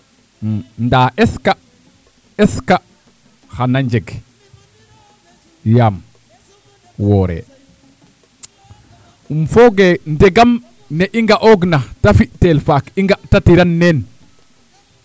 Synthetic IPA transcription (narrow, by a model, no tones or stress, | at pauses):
ndaʔɛska | ɛska | hanaɲd͡ʒɛɡ | jam | wɔɾɛ̰ | umfɔɡɛndɛɡam | nɛʔiŋɡaʔɔɡnatafitɛlfakiŋɡatatiɾanːɛn